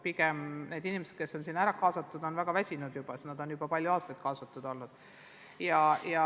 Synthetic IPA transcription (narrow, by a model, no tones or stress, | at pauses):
piɡ̥emne̞ːd̪inimesed̪̥̚ke̞sːo̞nsinæɾɑkɑːsɑt̪ːˑud̪̥o̞nvæɡ̥ɑvæsʲinud̪̥jub̥ɑesnɑd̪̥o̞njub̥ɑpɑlʲjuɑːst̪ɑjt̪̚kɑːsɑt̪ːˑud̪̥o̞lnud̪̥ | jɑjɑ